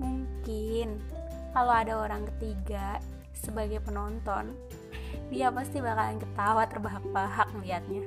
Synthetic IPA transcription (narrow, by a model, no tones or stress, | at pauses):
muŋkɪnkaloadaoɾaŋkət̪iɡa | səbaɡajpənɔnt̪ɔn | dijaməst̪ibakalankət̪awat̪ərbaɦak̚baɦak̚lijat̪̚ɲa